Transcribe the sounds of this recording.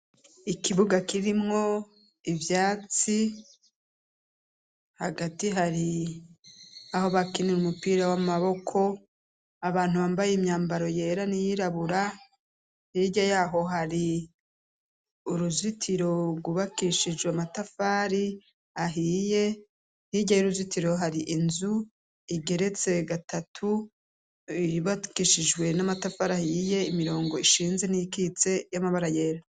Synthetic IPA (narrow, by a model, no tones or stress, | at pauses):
ikiβuɡakiɾimŋo̞ | ivjaːt͡si | haɡatiɦaɾi | aho̞βakiniɾumupiːɾawamaβo̞kʰo̞ | aβaːn̥huβaːmbajemɲaːmbaɾo̞je̞ːɾanijiɾaβuɾa | hiɟajaːɦo̞ɦaɾi | uɾuzitʰiɾo̞ɡuβakiʃid͡ʒweamatafaːɾi | aɦiːje̞ | hiɟajuɾuzitiɾo̞ɦaɾiʔinzu | iɡe̞ɾe̞t͡se̞ɡatʰatʰu | iβakiʃid͡ʒwe̞namatafaɾahije̞imiɾo̞ːŋɡo̞iʃiːnze̞niikiːt͡se̞jamaβaɾaje̞ːɾa